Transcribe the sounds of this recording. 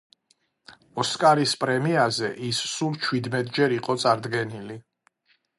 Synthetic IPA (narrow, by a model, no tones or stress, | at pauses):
ɔskʼaɾispʼɾɛmiazɛʔisːult͡ʃʰwid̪mɛt̪ʼd͡ʒɛɾiqʼɔt̪sʼaɾd̪ɡɛnili